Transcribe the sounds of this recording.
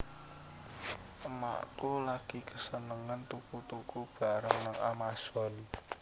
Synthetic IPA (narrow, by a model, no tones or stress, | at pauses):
əma̰ʔkulaɡ̥ikəsənəŋənt̪ukut̪ukub̥a̤ɾəŋnaŋamasɔ̤n